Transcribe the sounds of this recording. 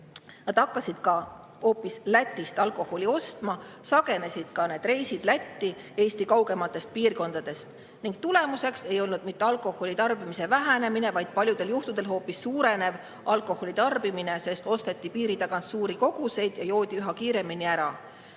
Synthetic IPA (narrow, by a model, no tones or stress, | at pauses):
nɑd̪̥ɑkːɑsid̪̥kɑ | ho̞ːpːislæt̪ʲːˑist̪ɑlko̞ho̞lʲio̞st̪mɑsɑɡe̞ne̞sid̪̥kɑne̞ːd̪re̞jsid̪̥læt̪ːi | e̞ːst̪ikɑwɡe̞mɑt̪ːˑe̞st̪̚piːrko̞nd̪̥ɑd̪̥e̞st̪ | niŋɡ̥̚t̪ule̞muse̞kse̞jo̞lnud̪̥mit̪ːˑe̞ɑlkˑo̞ho̞lʲit̪ɑrbimise̞væɦæne̞mine̞vɑjd̪̥pɑlʲjud̪e̞ljuht̪ud̪̥e̞lɦo̞ːpːisːuːɾe̞ne̞v | ʔɑlkˑo̞ho̞lʲit̪ɑrbimine̞se̞st̪o̞st̪e̞t̪ːipiːɾit̪ɑɡɑnssuːɾiko̞ɡ̥use̞jd̪̥jɑjo̞ːd̪̥ʲiyɦɑkiːɾe̞miniæɾɑ